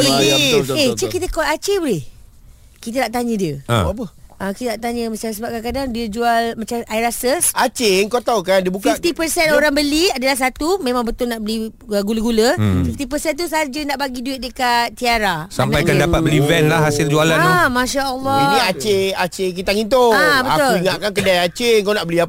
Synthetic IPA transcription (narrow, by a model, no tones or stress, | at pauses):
et͡ʃəkit̪əkwalat͡ʃeblɪh | kit̪̬ənaʔt̪aɲədiəa̰pəakit̪ənaʔt̪aɲəmasas̬əbap̚kankadaŋdiəd͡ʒualmat͡ʃamajɾasəsat͡ʃeŋkɔt̪aukandiəbukfitft̪ipəsɛnoɾaŋbəliadəlahs̬at̪umẽmãŋbət̪ʊlnaʔbəli | əɡuləɡuləfift̪ipəsɛnt̪̬usaɦad͡ʒənaʔbaɡiduɪt̪̚dəkat̪̚ːiaɾasamajkandapat̪bəlivɛnlahɦasɪld͡ʒualanmaʃaəlːɔiiat͡ʃeat͡ʃek̬it̪aŋint̪̬oabət̪ʊliŋaʔkankədajat͡ʃeŋkonaʔbəliap